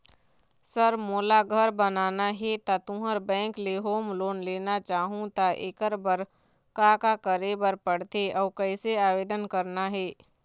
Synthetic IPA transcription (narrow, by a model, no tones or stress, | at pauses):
səɾmoːlaɡʱəɾbənaːnaɦɛt̪at̪ʊ̃ɦəɾbɛ̃ːŋkleɦoːmloːnleːnat͡ʃaːɦũt̪aʔekəɾbəɾ | kakakəɾebəɾpəɽt̪eʔɔːkəɪseaːʋeːd̪ənkəɾnaɦɛː